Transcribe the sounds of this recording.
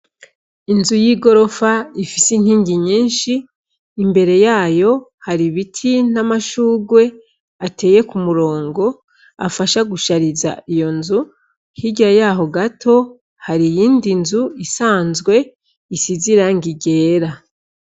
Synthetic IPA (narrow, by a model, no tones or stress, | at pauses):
inzujiɡo̞ɾo̞faifisin̥hiːŋɡiɲiːnʃiː | mbe̞ɾe̞jaːjo̞haɾiβitʰin̥amaʃuːɡwe̞ | atʰe̞ːje̞kumuɾo̞ːŋɡo̞ | a̰faʃaɡuʃaɾiza̰ʔijo̞nzu | hiɟajaːɦo̞ɡatʰo̞ | haɾijiːndinzuisaːnzɡwe̞ | isiziɾaŋɡiɡe̞ːɾa